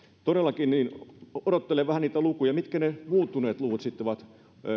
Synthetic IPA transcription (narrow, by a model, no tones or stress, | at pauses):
t̪odelːˑɑkinniːnoɾot̪ːeleʋʋæhæniːt̪ælukujɑmit̪kænemuːt̪ːuneːt̪luʋut̪sit̪ːoʋɑt̪